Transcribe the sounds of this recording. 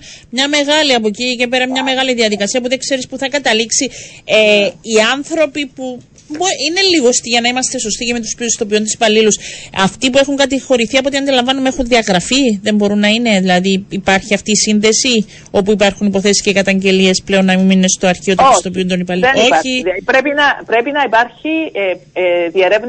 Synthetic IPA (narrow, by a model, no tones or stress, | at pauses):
mɲɐme̞ɣɐliɐpo̞cice̞pe̞ɾɐmɲɐme̞ɣɐliðiɐðikɐsiɐpuðe̞kse̞ɾispuθɐkɐt̪ɐliksieiɐnθɾo̞pipu | boine̞liɣost̪iʝɐnɐimɐst̪e̞so̞st̪icemet̪uspiist̪o̞pio̞nt̪isi̥pɐlilusɐft̪ipuexuŋkɐt̪ixo̞ɾiθiɐpot̪iɐnd̪ilɐɱvɐnumee̞xunðiɐɣɾɐfiðembo̞ɾunːɐine̞ðilɐðiːpɐɾçiɐft̪iːsinðe̞si | o̞puipɐɾxunipo̞θe̞si̥scekɐt̪ɐɲɟe̞lie̞sple̞o̞nːɐmiminːest̪o̞ɐɾçioust̪o̞p̬iund̪o̞nipɐlieoiðiiɾepinɐpɾe̞pinɐipɐɾçi | ðieɾev